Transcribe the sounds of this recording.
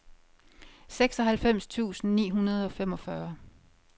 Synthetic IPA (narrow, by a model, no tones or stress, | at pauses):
seɡ̥sɒ̽ɦælfem̰st͡sʰṵːsn̩nḭːɦunɐð̞ˠɒ̽femɒ̽fɶɐ